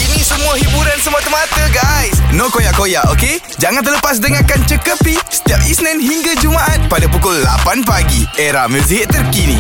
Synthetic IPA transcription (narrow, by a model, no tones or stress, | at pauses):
ʔinĩsəmũaɦibuɾansəmat̪umat̪əɡajsnõkojaʔkojaʔoke | d͡ʒaŋant̪ərləpas̬dəŋakant͡ʃəkəpisə̥t̪iap̚isnɛ̃nɦiŋɡad͡ʒumaʔat̪̚padapukʊlːa̰panpaɡiʔeɾahmusiɦɪtt̪ːərkinḭ̃